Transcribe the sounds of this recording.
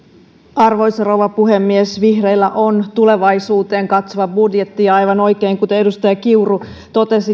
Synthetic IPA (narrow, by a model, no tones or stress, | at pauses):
ɑrʋo̞jsrowʋɑpuɦemːiesʋihrejlːæʔont̪ule̞ʋɑjsuːt̪e̞ːŋkɑt̪soʋɑbudjet̪ːiɑɑjʋɑno̞jkeiŋkut̪eedust̪ɑjɑkiuru | t̪o̞t̪e̞si